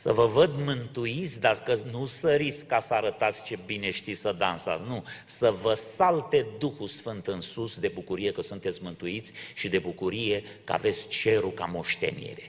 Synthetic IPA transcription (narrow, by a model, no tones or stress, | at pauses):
sə̰vəvəd̪mɨnt̪uit̪sʲd̪akənusəɾiskːasəaɾət̪at̪sʲt͡ʃe̞bine̞ʃt̪isəd̪ansa̰t̪sʲnusəvəsalt̪e̞d̪uxusfɨnt̪ɨnsusd̪e̞bukuɾije̞kəsunt̪et̪sʲmɨnt̪uit̪sʲʃid̪e̞bukuɾije̞ | kəa̰ve̞t̪sʲt͡ʃe̞ɾuka̰mo̞ʃt̪ḛnḭɾe